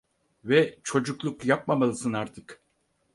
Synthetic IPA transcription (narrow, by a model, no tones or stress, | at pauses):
vɛt͡ʃʰo̞d͡ʒuklˠukjap̚mamalˠɯsɯnaɾt̪ʰɯk